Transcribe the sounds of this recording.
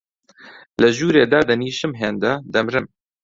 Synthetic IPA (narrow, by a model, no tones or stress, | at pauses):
lɐʒuːɾeːd̪aːd̪ɐniːʃɨmɦeːnd̪ɐd̪ɐmɾɨm